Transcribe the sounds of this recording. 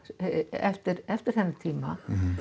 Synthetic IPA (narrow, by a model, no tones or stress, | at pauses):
ɛ̰ft̪ɪɾɛft̪ɪɾ̥θɛnːɪt̪ʰiːma